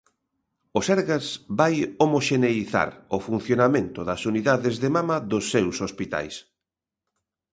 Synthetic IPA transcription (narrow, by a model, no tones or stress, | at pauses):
ʊsɛɾɣasbajomoʃeneiθa̰ɾʊfun̟θjonamẽnt̪ʊðɐsuniðaðɪzðemamɐðosːewsospit̪a̰js